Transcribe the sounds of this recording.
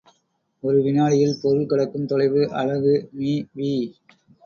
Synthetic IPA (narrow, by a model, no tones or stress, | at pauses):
ɔɾɯʋɪnaːlɪjɪlpɔɾɯlkɐɽɐkːɯmt̪ɔɻɐɪʋɯʔɐ̰ɻɐɣɯmiːʋiː